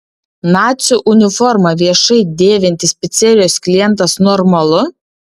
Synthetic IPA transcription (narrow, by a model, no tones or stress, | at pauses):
nɑːt̪sʲʊʔʊnʲɪfɔɾmɐʋʲiɛʃɐɪd̪ʲeːʋʲɪnʲt̪ʲɪsʲpʲɛt̪sʲɛɾʲɪjoːsklʲɪjɛnˑt̪ɐsnɔɾmɐlˠʊ